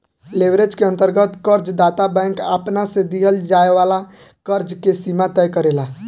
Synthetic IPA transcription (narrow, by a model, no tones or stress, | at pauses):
lebɾed͡ʒkeə̃nt̪əɾɡət̪kəɾd͡ʒd̪at̪abɛ̃ŋkəpnasẽd̪iɦəld͡ʒaeʋala | kəɾd͡ʒkesimat̪əjkəɾela